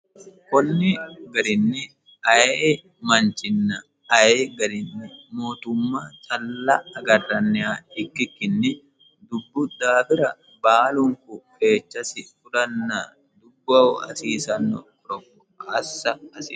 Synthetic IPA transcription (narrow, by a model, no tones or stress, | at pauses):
kɔnːɪɡɐɾɪnːɪ | ɐje | mɐnt͡ʃɪnːɐː | jeːɡɐɾɪnːɪmo̞ːt̪ʊmːaːt͡ʃʼɐlːɐːɡɐrːɐnːɛaːɪkːɪkːɪnːɪ | d̪ʊbːʊd̪aːbɪɾɐ | baːlʊŋkʊfe̞ːt͡ʃːɐsɪfʊlɐnːa | d̪ʊbːɐɐ̰siːsɐnːɔ̰kɔɾɔkːʊ | ɐsːɐɐsḭː